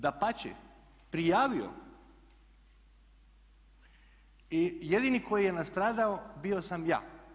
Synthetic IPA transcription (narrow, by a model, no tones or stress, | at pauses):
d̪apat͡ɕɛ̰ | pɾijaːʋio̰ | ijed̪inikʰo̞jijenast̪ɾaːd̪aobio̞samja̰ː